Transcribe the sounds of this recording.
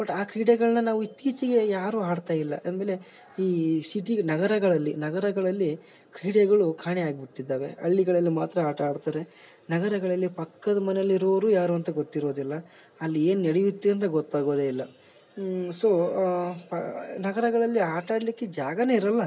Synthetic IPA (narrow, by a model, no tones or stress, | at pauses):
bɐʈːaːkɾiːɽeɡɐɭɐnɐnaːʋuit̪ːiːt͡ʃiɡe̞jaːɾuːaːɽt̪aːjilːɐʔɐnd̪meːle̞ | iːsiʈinɐɡɐɾɐɡɐɭɐlːinɐɡɐɾɐɡɐɭɐlːi | kɾiːɽeɡɐɭukʰaːɳiaːɡibiʈːid̪ːaːʋe̞̰ɐ̰ɭːiɡɐɭɐlːimaːt̪ɾɐaːʈaːɽt̪aːɾe̞ | nɐɡɐɾɐɡɐɭɐlːipɐkːɐd̪ɐmɐnejɐlːiɾɐʋɐɾuːjaːɾuɐnt̪ɐɡot̪ːiɾo̞ːd̪ilːɐ | ɐlːie̞ːnneɽijit̪ːuɐnt̪̬ɐɡɔt̪ːaːɡoːd̪eilːɐ | so̞ːpɐnɐɡɐɾɐɡɐɭɐlːiaːʈaːɽlikːe̞d͡ʒaːɡɐne̞ːiɾɐlːɐ